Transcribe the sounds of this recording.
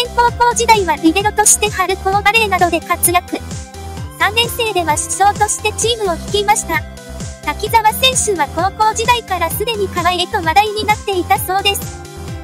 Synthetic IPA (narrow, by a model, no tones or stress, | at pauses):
ẽŋko̞ːko̞ːd͡ʑid̪aiβaɾʲibe̞ɾɯ̟t̪o̞ɕi̥t̪e̞haɾɯ̟koːɡaɾe̞ɾnad̪o̞d̪e̞kat͡sɨɾjakɯ̟ | sãnːẽ̞ñse̞ːd̪e̞βaɕi̥so̞ːt̪o̞ɕi̥t̪e̞t͡ɕiːmɯ̟o̞çi̥kʲimaɕi̥t̪a | t̪akʲizaβasẽ̞ɰ̃ɕɨβako̞ːko̞ːʑid̪aikaɾasɨd̪e̞ɲ̟ikaβaet̪o̞βad̪aiɲ̟inat̪ːe̞it̪aso̞ːd̪e̞sɨ̥